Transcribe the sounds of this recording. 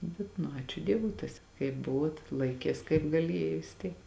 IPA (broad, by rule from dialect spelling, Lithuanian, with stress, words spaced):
ˈbʲɛt nʊ ˈɑːt͡ʃʲʊ ˈdʲiɛʋʊɪ ˈtɐs kɐɪp ˈbʊʋuɔt ˈlˠɐɪkʲeːs kɐɪp ɡɐˈlʲeːjɛ ʋʲɪs ˈtʲiɛk